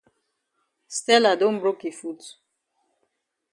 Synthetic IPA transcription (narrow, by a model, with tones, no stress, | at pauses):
stɛ˦la˨dõ˦nbɹo˦ki˨fu˦t